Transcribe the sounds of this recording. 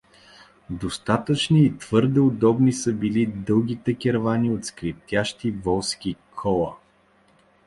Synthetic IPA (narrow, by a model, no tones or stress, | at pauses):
d̪ost̪at̪ət͡ʃniːt̪v̥ɤɾd̪ɛod̪ɔbnisəbilid̪ɤlˠɡ̟ʲit̪ɛkʲɛɾvanʲiot̪skɾift̪ʲjaʃt̪ivɔlˠskʲikʰɔlˠə